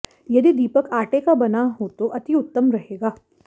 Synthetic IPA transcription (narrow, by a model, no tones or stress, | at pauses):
jɐd̪id̪iːpəkaːʈekabɐnaɦot̪oʔɐt̪iʊt̪ːəmɾɐɦeːɡaː